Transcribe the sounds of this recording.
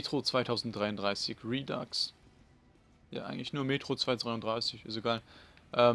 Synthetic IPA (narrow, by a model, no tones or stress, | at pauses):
tʁ̥ot͡sv̥aɪtʰaʊzn̩t̚d̥ʁaɪʊndʁaɪsɪçʁiːda̰ks | ja̰ːʔa̰ɪɡŋ̩tlɪçnuːɐmeːtʁ̥ot͡sv̥aɪt͡sʁ̥aɪʊndʁaɪsɪçʔa̰zoeɡaːlʔɛː